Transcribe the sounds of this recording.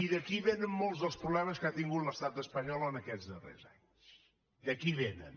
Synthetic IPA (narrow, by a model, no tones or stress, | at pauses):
iðɐkiβenɨŋmõlˠt̪zðəlˠspɾuβlˠɛmɐʃkat̪ĩŋɡuðnɐʃt̪aðɐspɐɲɔlˠonɐkɛzðɨʁḛɾza̰ɲuʃ | ðɐkiβenɐ̰̃